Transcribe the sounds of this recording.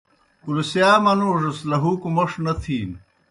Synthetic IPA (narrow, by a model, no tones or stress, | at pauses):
kulsjaːmɐnuːʐɐslɐɦuːkumoʂnɐt̪ʰiːn